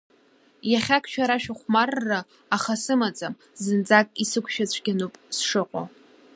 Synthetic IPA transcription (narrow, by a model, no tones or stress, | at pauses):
jaχʲakʰʷʼʃᶣaɾaʃᶣaχʷmarːaː | χasɨmat͡sʼam | zɨnd͡zakʼisɨkʷʰʃat͡ɕʷʰɡʲanupʼsʂɨqʷʼo̰